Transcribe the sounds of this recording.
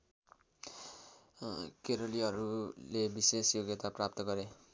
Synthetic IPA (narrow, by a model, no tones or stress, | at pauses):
keɾoliɦʌɾulebisesjoɡet̪aprap̚t̪ʌɡʌɾe